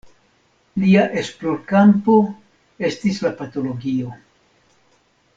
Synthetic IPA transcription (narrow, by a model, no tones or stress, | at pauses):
liaʔe̞splo̞ɾkampo̞ | e̞stislapato̞lo̞ɡio̞